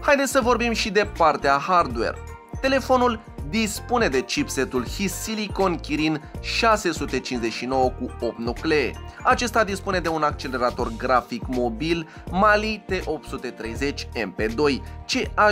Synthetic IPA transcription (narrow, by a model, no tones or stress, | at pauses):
hajd̪esʲsəvo̞rbimʃid̪e̞part̪eahard̪we̞̰r | t̪e̞le̞fo̞nul | d̪ispune̞d̪e̞t͡ʃipse̞t̪ulhisiliko̞nkʲiɾinʃase̞sut̪e̞t͡ʃinze̞ʃino̞wəkuo̞p̚t̪nukleḛat͡ʃe̞st̪ad̪ispune̞d̪e̞unak̚t͡ʃe̞le̞ɾat̪o̞rɡɾafikmo̞bil | malit̪e̞ʔo̞p̚t̪sut̪e̞t̪ɾe̞jze̞t͡ʃʲe̞mpe̞d̪o̞jt͡ʃe̞a